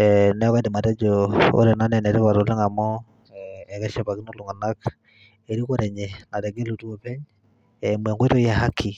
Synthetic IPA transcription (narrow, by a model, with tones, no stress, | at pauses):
ɛnɛ˦βa˦de˨ma˨tɛ˦d͡ʒo˨o̰˦ɾɛ˨na˦nɛ˨nɛ˨ɾɛ˦βa˨ɾo˨lɛ˦ŋa˨mɔ˦ | ɛ˨kɛ˦ʃɛ˨pa˨ki˦no˦lu˨ŋa˨na˦k | e˨ɾi˦ko˦ɾɛ˨ɲe˨na˨tɛ˨ɡe˦lu˨tu˦o˨pɛ˦ɲ | ɛ˨mwɛ˨ŋɡwe˦to˦jɛ˦ɦa˦kʰi˨